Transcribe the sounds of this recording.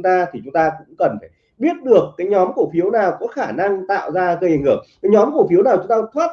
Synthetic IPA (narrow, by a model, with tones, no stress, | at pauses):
t̪aː˧t̪ʰi˨˩t͡ɕʊ˨˦ŋ͡mt̪aː˧kʊ̰˧˥ŋ͡mkə˨˩nfaː˧˩ɓi˦˥ət̚ɗɨ˨˩əkːaː˨˦jɲɔ˨˦mku˧˩fi˨˦əwnaː˨˩wkɔ̰˧˥xaː˧˩na˧ŋt̪a̰ː˧˨wzaː˧ɣə˧jʔjhɨ˧˩ə˨ŋkaː˨˦jɲɔ˨˦mku˧˩fi˨˦əwnaː˨˩wt͡ɕʊ˨˦ŋ͡mt̪aː˧t̪ʰwaː˦˥t̚